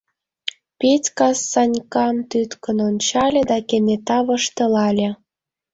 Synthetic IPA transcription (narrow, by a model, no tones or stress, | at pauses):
petʲkɑsːɑnʲkɑmt̪yt̪kə̆nonʲt͡ɕɑlʲĕd̪ɑkenet̪ɑβɤ̆ʃt̪ɤ̆lɑlʲĕ